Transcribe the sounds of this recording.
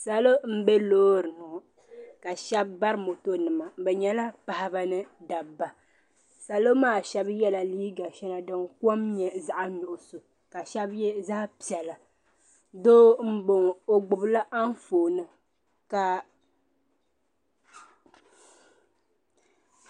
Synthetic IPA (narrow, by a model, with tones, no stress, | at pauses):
sa˨lo˦m̩˦bɛ˦loː˦ɾɨ˨nʊ˨ | ka˨ʃɛ˦bːa˦ɾɨ˦mo˨to˦nɨ˨ma˨˦bɛ˨ɲɛ˦la˦pa˨ha˦ba˦nɨ˦da˨ba˨ | sa˨lo˦maː˦˨ʃɛ˦bjɛ˦la˨liː˦ɡa˨ʃɛ˦na˨dɨ˦ŋkɔ˦mɲɛ˨za˨ʔa˦nʊ˨ʔʊ˨so˨ | ka˨ʃɛ˦bjɛ˦za˦pi˨ɛ˨la˨ | doː˦m̩˦bo˨ŋo˨ɡ͡bʊ˨bla˦ʔa˦n˦foː˨nɨ˨ | ka˨